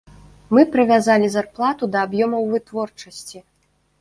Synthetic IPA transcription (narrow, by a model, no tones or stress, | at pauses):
mɨpɾɨvʲazalʲizarplˠat̪ud̪ɐːbjɔmɐwvɨt̪vɔrt͡ʂɐsʲt͡sʲi